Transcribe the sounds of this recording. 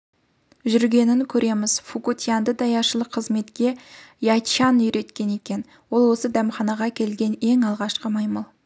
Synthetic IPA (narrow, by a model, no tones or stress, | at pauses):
ʒʏɾɡʲe̞nɪŋkʲʰɵɾʔe̞mɪz̥fukut̪ijɑnd̪əd̪ɑjɑʃəlˠəqʰəzme̞t̪kʲe̞jɑt͡ʃɑnʏjɾe̞t̪kʲe̞ne̞kʲe̞n | wo̞lˠwo̞səd̪æmχɑnɑʁɑkʲʰe̞lɡʲe̞ne̞ŋɑlˠʁɑʃqəmɑjmɑlˠ